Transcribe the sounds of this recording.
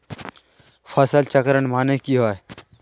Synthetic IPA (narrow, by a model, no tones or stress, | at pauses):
fʰɐsəlt͡ʃəkɾənmaːnekiɦoe